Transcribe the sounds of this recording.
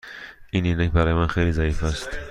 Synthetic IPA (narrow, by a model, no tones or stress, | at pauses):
ʔininæcbæɾɒːjemænxejlizæjiːfæst̪